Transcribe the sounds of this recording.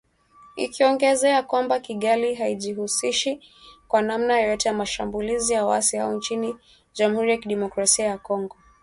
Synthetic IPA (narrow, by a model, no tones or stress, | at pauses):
ḭkiɔŋɡɛzɛakwambakiɠaliɦaiʄihusiʃi | kwanamnajɔjɔtɛjamaʃambulizijawa̰siha̰ɔnt͡ʃini | ʄamuhuɾijakiɗɛmɔkɾasiajakɔŋɡɔ